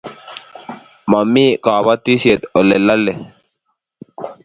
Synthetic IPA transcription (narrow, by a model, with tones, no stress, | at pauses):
mɐmːiː˦kaː˨βat̪ːi˦sie˨t̪o˨le˨lːɐ˦lːe˨